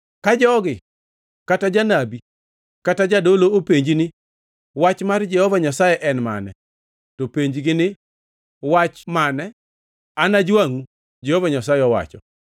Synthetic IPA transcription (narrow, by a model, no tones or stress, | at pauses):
kad͡ʒɔɡɪ | katad͡ʒanabi | katad͡ʒadoloopeɲd͡ʒinɪ | wat͡ʃmard͡ʒɛhɔvaɲasajɛʔɛnma̰nɛ̰ | topeɲd͡ʒɡɪnɪ | wat͡ʃmanɛ | anad͡ʒwaŋu | d͡ʒɛhɔvaɲasajɛɔwa̰t͡ʃɔ̰